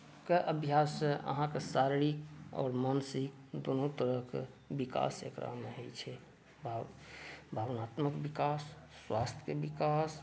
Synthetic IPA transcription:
keʔəbʱjasẽʔə̰ɦãkesaɾɽiɔ̰ːɾmənsid̪onot̪əɾəkbika̰sḛkɾa̰meɦəjt͡ʃʰɛ | b | bʱaʋnaːt̪məkbikasːwast̪ʰkebikas

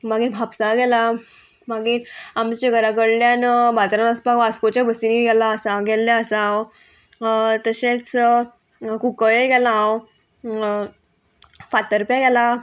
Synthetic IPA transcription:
maɡiːnbʱapsaɡɛla | maɡinamt͡ɕeɡəɾakəɽljanbat̪ɾanəspaɡaskot͡ɕjabəsiniɡɛlaːsãɡɛlːaəsaãw | t̪əɕet͡s | kukəeɡɛlaawo | fat̪əɾpjaɡɛla

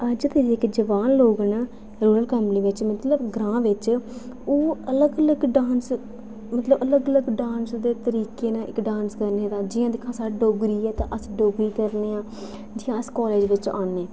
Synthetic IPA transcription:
əd͡ʒt̪eɪkd͡ʒəʋaːnloːɡənː | ɾuːɾəlkəmpəniːʋɪt͡ʃmət̪ləbɡɾãːʋɪt͡ʃ | oːələɡələɡɖãːns | mət̪ləbələɡələɡɖãːnsd̪eːt̪əɾiːkeːnãːʔɪkɖãːnskəɾneːd̪aːd͡ʒɪːãːd̪ɪkʰːãːsaːɽɖoːɡɾiːɛːt̪ã̰ːʔəsɖoːɡɾiːkəɾneːãː | d͡ʒɪjãːəskoːleːd͡ʒʋɪt͡ʃaːnːeː

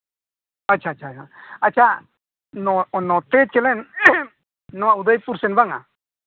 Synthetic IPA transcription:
at͡ʃʰaːt͡ʃʰat͡ʃaat͡ʃʰa | nɔnɔt̪ɛt͡ʃɛlɛn | ɔaud̪ajpuɾsɛnbaŋa̰

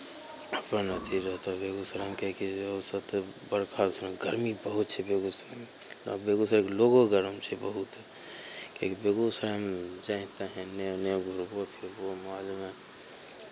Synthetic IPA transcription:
əpãnət̪ʰiɾəɦt̪abeɡusəɾamkekiəsəbt̪bəɾkʰalsɾãɡəɾmibəɦut̪t͡ʃʰɛbeɡusɾam̰ | beɡusɾkloɡoɡəɾəmt͡ʃʰɛbəɦut̪ | kẽkibeɡusəɾamd͡ʒãɪ̃t̪aɦɛ̃neneɡʱuɾbopʰiɾbomaːlmẽ

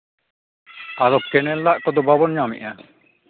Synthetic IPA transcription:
aɾɔkkːɛnɛlːaʔkɔd̪ɔbabɔnɲamḭʔa

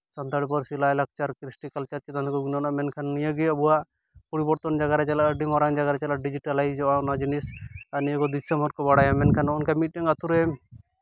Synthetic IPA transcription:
sɔnt̪aɽipɔɾsilajlak̚t͡ʃaɾkɾisʈikalt͡ʃat̪̚jɛt̪ankɔɡunɔnamɛnkʰanːijəɡiəbuwaʔ | pɔɾibɔɾt̪ɔnd͡ʒaɡaɾɛt͡ʃɛlaəɖimɔɾaŋd͡ʒaɡaɾɛt͡ʃɛlaɖid͡ʒiʈalajd͡ʒɔbaɔnad͡ʒinisanijəkɔd̪isɛmbɔɾkɔbaɽajamɛnkʰanunkamiʈ̚ʈiŋat̪uɾɛ

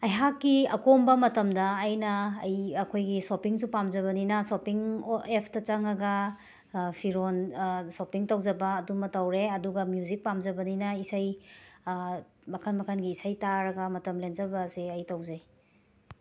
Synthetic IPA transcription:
ɐjɦakːiɐ̰kombɐmɐtɐmdɐːjnɐːjɐkʰojɡisopiŋsupamd͡ʒɐβɐninɐsopiŋepʰtɐt͡ʃɐŋɐɡɐ | pʰiɾonsopiŋtɐwd͡ʒɐbɐːdumɐtawɾeɐduɡɐmjuzik̚pamd͡ʒɐbɐninɐisaj | mɐkʰɐnmɐkʰɐnɡiːsajtaɾɐɡɐmɐtɐmlenzɐbɐseɐjtawzaj

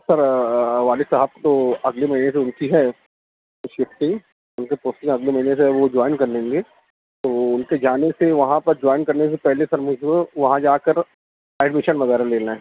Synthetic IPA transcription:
sɐɾʋaːlɪsɐɦəb̚t̪oɐɡlemɐɦines̬eʊnkiɦɛː | ʃɪfʈɪ̃ŋ | ʊnkepoːsʈɪ̃ŋɡɐɡlemɐɦines̬eʋod͡ʒɔːɪnkɐɾnẽːŋɡe | t̪oːʊnked͡ʒaːneseʋɐɦãpɐɾd͡ʒɔːɪnkɐɾnes̬epɛɦlesɐɾmʊd͡ʒũʋɐɦãd͡ʒaːkəɾ | ɛːɖmɪʃənʋɐzaːɾaleːnaɦɛː

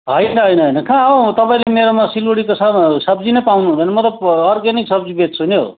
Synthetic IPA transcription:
ɦʌjnʌɦʌjnʌɦʌjnʌkʰãʌt̪ʌpaĩlemeɾomasiloɽikosʌsʌbd͡zinʌjpawnũd̪ʱʌjnʌmʌt̪ʌbʌrɡaniksʌb̚d͡zibet̪t͡sʰuno̰

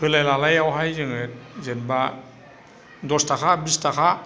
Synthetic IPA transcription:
kʰɯlajlalajawɦajzɯŋɯt̚zenba | dɔstakʰabistakʰa

